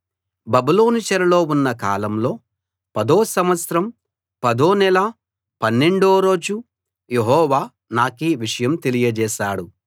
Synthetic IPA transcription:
bɐbulo̞ːnit͡ʃɐɾɐlo̞ːunːɐka̰ːlɐmlo̞ː | pɐd̪oːsɐmʋɐsɾɐm | pɐd̪o̞ːnɛla | pɐnːeɳɖoːɾo̞ːd͡ʒu | jeɦɔːʋaː | naːkiʋiʂɐjɐmt̪e̞lijɐd͡ʒɛːʃaːɽu

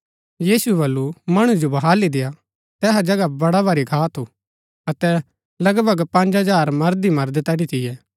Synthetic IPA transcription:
jiːsuɛbɐlːumɐɽ̃ud͡ʒobɐɦaːlid̪eja | t̪ɛːɦad͡ʒɐɡabɐɽabaɾikʰaːt̪ʰu | ɐt̪ɛ | lɐɡbʱɐɡpɐ̃nd͡ʒɦɐd͡ʒaːɾmɐɾd̪imɐɾd̪t̪ɛɽit̪ɪjɛː

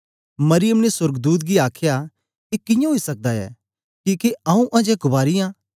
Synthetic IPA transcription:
mɐɾɪjəmnesʊɾɡd̪uːt̪̬̚ɡiaːkʰja | kekɪ̃jãɦoisɐk̚d̪aɛ̰ː | kiːkeɐũʔɐ̃d͡ʒɛkʊbaːɾɪjãː

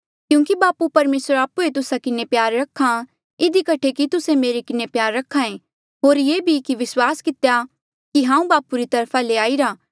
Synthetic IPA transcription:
kjũːkibaːpupɐɾmeːsəɾaːpuet̪ʊsakɪnepjaːɾːɐkʰã | ɪd̪ikɐʈʰekit̪ʊsemeːɾikɪnepjaːɾːɐkʰːãẽ | ɦoːɾjeːbʱikiʋɪswaːskɪt̪ja | kiɦãːũbaːpuɾit̪ɐɾpʰaleaːiɾaː

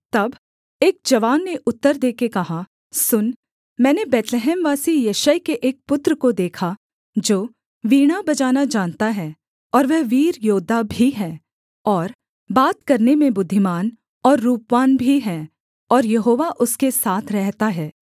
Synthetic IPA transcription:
t̪ɐb | eːk̚d͡ʒɐʋaːnːeʔʊt̪ːəɾd̪eːkekɐɦa | sʊn | mɛ̃ːnebɛːt̪leɦɛːmʋaːsijɐʃəjkeʔeːk̚pʊt̪ɾəkod̪eːkʰa | d͡ʒoː | ʋiːɽ̃abɐd͡ʒaːnad͡ʒaːnt̪aɦɛ | ɔːɾʋɛɦʋiːɾjoːd̪abʱiɦɛ̃ː | ɔːɾ | baːt̪kɐɾnemẽbʊd̪ʱːɪmaːn | ɔːɾːuːpʋaːnbʱiɦɛ̃ | ɔːɾjɐɦoːʋaʔʊskesaːt̪ʰɾɛɦt̪aɦɛː

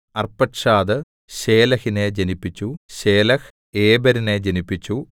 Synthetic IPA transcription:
ɐrpːɐʈʂaːd̪ɨ | ɕe̞ːlɐhine̞d͡ʑɐnipːit͡ɕːuɕeːlɐx | eːbɐɾine̞d͡ʑɐnipːit͡ɕːu

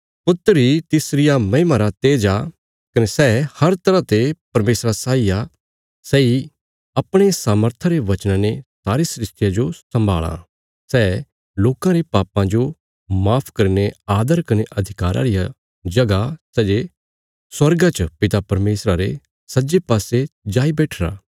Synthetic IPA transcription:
pʊt̪ːəɾit̪ɪsɾɪjamɐɦɪmaɾat̪eːd͡ʒa | kɐnesɛːhɐɾt̪ɐɾãt̪epɐɾmeːsɾasaːija | sɛːi | ɐpɽ̃esaːməɾt̪ʰaɾeʋɐt͡ʃnãnesaːɾesɾɪst̪ɪjad͡ʒosɐ̃mbʱa̰ːɭa̰ | sɛː | loːkãɾepaːpãd͡ʒo | maːpʰkɐɾneaːd̪əɾkɐneʔɐd̪ʱɪkaːɾa̰ɾɪja | d͡ʒɐɡasɛːd͡ʒe | swɐɾɡãt͡ʃəpɪt̪apɐɾmeːsɾaɾe | sɐd͡ʒepaːsed͡ʒaːibɛːʈʰɾa̰ː

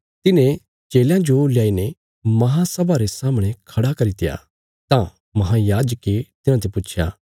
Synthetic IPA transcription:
t̪ɪnẽ | t͡ʃeːljãd͡ʒolɪjaːine | mɐɦãsɐbʱaɾesaːməɽ̃ẽkʰɐɽakɐɾit̪ɪja̰ | t̪ã | mɐɦãjaːd͡ʒəket̪ɪnãt̪ʰepʊːt͡ʃʰja̰ː

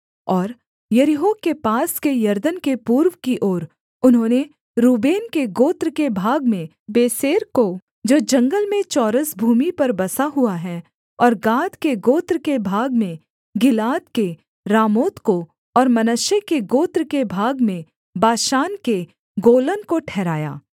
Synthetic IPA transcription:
ɔːɾ | jɐɾɪɦoːkepaːskejɐɾd̪ənkepuːɾwkiʔoːɾ | ʊnɦõːne | ɾuːbeːnkeɡoːt̪ɾkebʱaːɡmẽ | beːseːɾko | d͡ʒoːd͡ʒɐ̃ŋɡəlmẽt͡ʃɔːɾəsbʱuːmipɐɾbɐsaɦuaɦɛ | ɔːɾɡaːd̪keɡoːt̪ɾkebʱaːɡmẽ | ɡɪlaːt̪ke | ɾaːmoːt̪ko | ɔːɾmɐnəʃjekeɡoːt̪ɾkebʱaːɡmẽ | baːʃaːnke | ɡoːlənkoʈʰɛːɾaːja̰ː

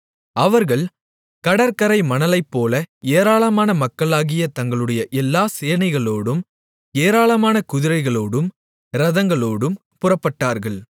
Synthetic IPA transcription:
ɐʋɐɾɣɐɭ | kɐɽɐɾkɐɾɐɪmɐnɐlɐɪpːoːlɐeːɾaːɭɐmaːnɐmɐkːɐɭaːɣɪjɐt̪ɐŋɡɐɭɯɽɐjɐʔɛlːaːseːnɐɪɣɐɭoːɽɯm | eːɾaːɭɐmaːnɐkʊðɪɾɐɪɣɐɭoːɽɯm | ɾɐðɐŋɡɐɭoːɽɯm | pʊrɐpːɐʈːaːɾɣɐɭ

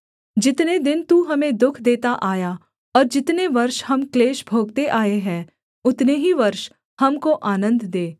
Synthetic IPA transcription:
d͡ʒɪt̪ned̪ɪnt̪uɦɐmẽd̪ʊkʰd̪eːt̪aʔaːja | ɔːɾd͡ʒɪt̪neʋɐɾʃhɐmkleːʃbʱoːɡ̚t̪eʔaːeɦɛ̃ː | ʊt̪neɦiʋɐɾʃ | hɐmkoʔaːnə̃nd̪d̪eː

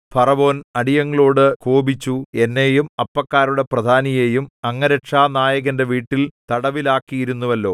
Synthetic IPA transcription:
pʰɐrɐʋo̞ːnɐɽijɐŋːɐɭo̞ːɽɨkoːbit͡ɕːue̞nːejumɐpːɐkːaːɾuɽe̞prɐd̪ʱaːnijeːjumɐŋːɐɾɐʈʂaːnaːjɐɣɐnde̞ʋiːʈːilt̪ɐɽɐʋilaːkːijiɾunːuʋɐlːo̞ː

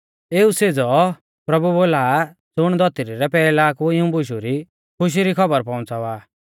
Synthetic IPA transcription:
eːused͡zɔ | pɾɐbuboːlaː | d͡zʊɽ̃d̪ɔt̪iɾiɾɛpɛːlaːkuɪũbʊʃ̬uɾi | kʰʊʃ̬iɾikʰɔbəɾpɔ̃t͡saʋaː

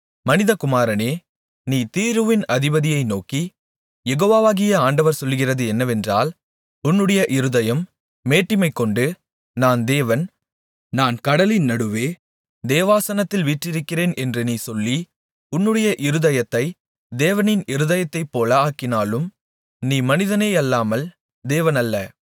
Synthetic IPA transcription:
mɐnɪðɐkʊmaːɾɐneː | niːt̪iːɾɯʋɪnɐðɪbɐðɪjɐɪnoːki | jɛɣoːʋaːʋaːɣɪjɐaːɳɖɐʋɐɾsɔlːɯɣɪrɐðɯɛnːɐʋɛndra̰ːl | ʊnːɯɽɐjɐʔɪɾɯðɐjɐmː | eːʈːɪmɐɪkːɔɳɖɯ | naːnd̪eːʋɐn | naːnkɐɽɐlɪnnɐɽɯʋeː | d̪eːʋaːsɐnɐt̪ːɪlʋiːʈrɪɾɯkːɪɾeːnʔɛndrɯniːsɔlːi | ʊnːɯɽɐjɐʔɪɾɯðɐjɐt̪ːɐɪ | d̪eːʋɐnɪnɪɾɯðɐjɐt̪ːɐɪpːoːlɐaːkːɪnaːlɯm | niːmɐnɪðɐneːɐlːaːmɐl | d̪eːʋɐnɐlːɐ

